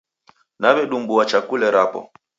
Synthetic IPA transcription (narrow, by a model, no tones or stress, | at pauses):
naβɛɗumbuwat͡ʃakulɛɾapɔ̰